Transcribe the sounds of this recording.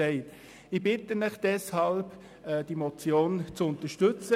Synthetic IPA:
ɛɪt | ɪbɪtənɪχd̥ɛshɑlb | ɛd̥imɔt͡sjoːnt͡sʊntəʃtɵt͡sə

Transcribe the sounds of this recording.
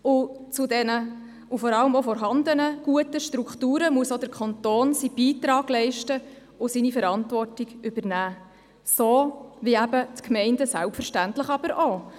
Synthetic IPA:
ʊ | t͡sʊdɛnə | ʊfɔɾɑləmofɔɾɦɑnd̪ənəɡ̥uətəʃtɾukχtuːɾəmuəsodəɾkʰɑnt̪oːnsib̥iːt̪ɾɑːɡ̥lɛɪʃtə | ʊsinifəɾɑntvɔrtiɡʔybəɾnæː | soːviæbətkmɛɪndəsælpfəɾʃtæntləχɑbəɾʔo

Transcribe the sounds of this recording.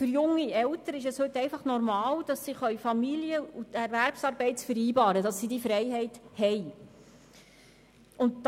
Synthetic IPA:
fʏɾjʊŋːiɛltəɾɪʃɛshɵtːɛɪfɑχnɔɾmɑːld̥ɑsːiχœɥfɑmilijəutɛɾvæɾpsɑːɾbɛɪtt͡sfəɾiːbɑːɾədɑsːidifɾɛɪɦɛɪthɛɪ | ʊnt̚d

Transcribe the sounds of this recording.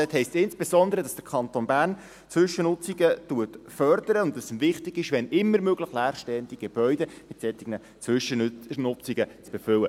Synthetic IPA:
ɛthɛɪstsɪnsb̥esɔnd̪əɾədɑsd̥əɾkʰɑnt̪onbæːɾn | t͡sʋʏʃənʊt͡siɡətuətfœɾdəɾəʊntdɑsmvɪχtɪɡ̥ɪʃʋɛnɪmːəɾmøɡ̥ləχlæːrʃtɛənd̪iɡ̥eb̥œʏdemɪt̪sɛt̪ːiɡnə | t͡sʋʏʃənʊt͡siɡət͡sb̥efʏwə

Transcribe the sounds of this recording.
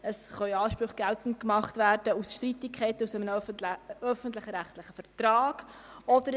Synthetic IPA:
əsχœɑːʃpɾʊχɡ̥æltən̩t̚kmɑχtvæːɾd̥əusʃtɾitɪkʰχɛɪtusɛmən | œfən̩tlɪχɾæχtlɪχəfəɾtɾɑːɡ̥ɔd̥əɾ

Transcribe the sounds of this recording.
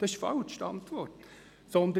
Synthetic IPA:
d̥ɑɪʃfɑlt͡ʃʃtɑ̰nt̪ʋɔrt | sɔnd̪ə

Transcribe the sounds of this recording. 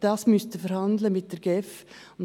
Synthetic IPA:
d̥ɑsmʏstəfɛɾhɑndləmɪt̚d̥ɛɾɡɛf | ʊn

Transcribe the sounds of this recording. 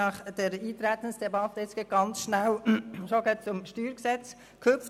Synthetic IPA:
ɑχd̥əɾiːt̪ɾæt̪ənsd̥ɛbɑt̪əɪt͡sɡ̥eɡ̥ɑnt͡sʃnæwʃoɡeːtt͡sʊmʃtyːɾksɛt͡s | kʰøpft

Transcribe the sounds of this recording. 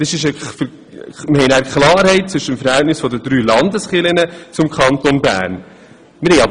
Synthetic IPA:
d̥əsɪʃɛfə | mɪhɛɪnæːɾkʰχlɑːɾhɛɪt̚t͡sʋʏʃːəəmfəɾhɛltnɪsfɔdəd̪ɾyːlɑndəsχɪlənət͡sʊmkʰɑnt̪onbæ̰ːɾn | mɪɾhɛɪɑb

